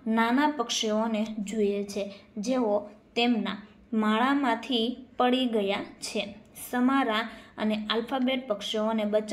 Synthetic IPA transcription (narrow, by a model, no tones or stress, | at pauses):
nanapəkʃeoned͡ʒojet͡ʃʰed͡ʒeot̪emna̰ | maɭamãt̪ʰipəɭiɡəjat͡ʃʰesəmaɾaə̰nealfabeʈ̚pəkʃeonebət͡ʃ